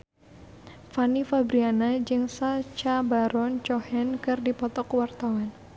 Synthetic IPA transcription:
fanifabɾianad͡ʒɨŋsat͡ʃabaɾɔnt͡ʃɔhɛnkɨrdipɔt̪ɔkwart̪awan

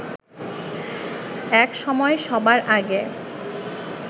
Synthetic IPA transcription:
ɛkʃɔmɔeʃɔbaɾʔaɡe

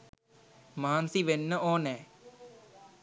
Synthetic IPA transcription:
maːnsiːʋenːəʔoːnɛ̃ː

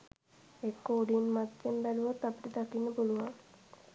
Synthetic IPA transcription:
ekːoːɖinmat̪ːembæluʋat̪ːapiʈəd̪akinːəpuluʋaŋ

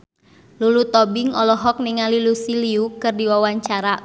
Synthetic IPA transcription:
lulut̪ɔbɪŋɔlɔɦɔk̚nɪŋalilusiliukɨrdiwawaɲt͡ʃaɾa

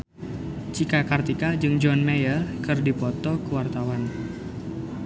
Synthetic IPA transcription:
t͡ʃikakart̪ikad͡ʒɨŋd͡ʒɔnmejərkɨrdipɔt̪ɔkəwart̪awan

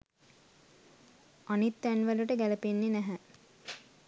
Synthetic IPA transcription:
anit̪ːænʋəluʈəɡæləpenːenæɦæ

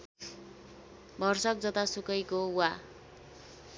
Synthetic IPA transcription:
bʱʌrsʌk̚d͡zʌt̪asukʌjkowa

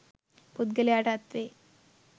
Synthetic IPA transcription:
pud̪̚ɡəljaʈat̪ʋe

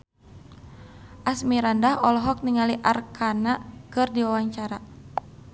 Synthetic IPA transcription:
ʔasmiɾandahɔlɔɦɔk̚niŋaliʔa̰rkʰanakɨrdiwawaɲt͡ʃaɾa

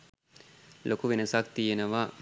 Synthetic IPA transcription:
lʔokuʋenəsak̚t̪ijenəʋa

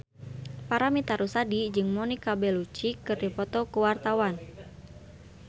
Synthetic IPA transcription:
paɾamit̪aɾusadid͡ʒɨŋmɔnikabɛlut͡ʃikɨrdipɔt̪ɔkuwart̪awan

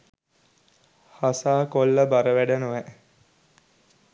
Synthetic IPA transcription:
hasaːkolːəbaɾəʋæɖənuʋɛ

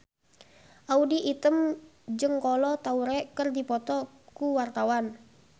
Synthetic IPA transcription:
ʔaudiʔit̪əm | d͡ʒɨŋkɔlɔt̪auɾɛkərdipɔt̪ɔ | kuwart̪awan

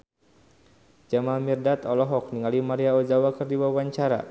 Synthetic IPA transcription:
d͡ʒamalmirdat̪ɔlɔɦɔk̚niŋalimaɾiaɔd͡ʒawakɨrdiwawaɲt͡ʃaɾa̰

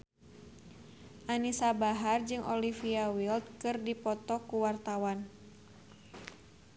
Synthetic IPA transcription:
ʔanisabaɦard͡ʒɨŋʔɔlifiawilt̪̚kɨrdipɔt̪ɔkuwart̪awan

